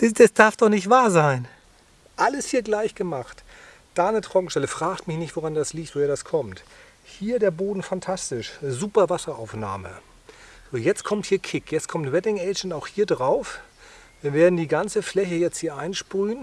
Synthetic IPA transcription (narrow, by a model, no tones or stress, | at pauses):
d̥asd̥aɐfd̥ɔχnɪçtv̥aːɐzaɪn | ʔaləshiːɐɡlaɪçɡ̥əmaχt | d̥anətʁ̥ɔkŋ̩ʃtɛləfʁ̥aːktmɪçnɪçtv̥oʁandasliːçtv̥oheɐdaskʰɔmt | hiːɐdeːɐboːdn̩fantʰastɪʃzuːpɐvasɐaʊfna̰ːmə̰ | z̥oːjɛt͡stkʰɔmthiːɐkʰɪkjɛt͡stkʰɔmtvɛdɪŋʔɛɪd͡ʒn̩taʊxhiːɐdʁaʊf | viːɐveːɐdn̩diːɡant͡səflɛçəjɛt͡sthiːɐʔaɪnʃpʁyːn